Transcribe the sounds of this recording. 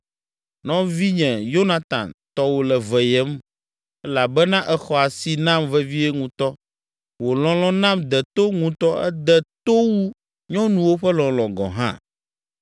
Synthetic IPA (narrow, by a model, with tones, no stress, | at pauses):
nɔ̃˦vi˦ɲɛ̃˨jo˦nã˨t̪ã̰˨nt̪ɔ˦wo˨lɛ˨vɛ˨jɛ˦m | ɛ˦la˨bɛ˦nã˦ʔɛ˨xɔ˨a˨si˨nã˦mvɛ˦vi˦e˦ŋũ˨t̪ɔ˦ | wo˨lɔ̃˨lɔ̃˦nã˦md̪ɛ˨t̪o˦ŋũ˨t̪ɔ˦ɛ̰˦d̪ɛ˨t̪o˦wu˦ | ɲɔ̃˦nũ˨wo˦ɸɛ˦lɔ̃˨lɔ̃˨ɡɔ̰̃˨ɦã̰˦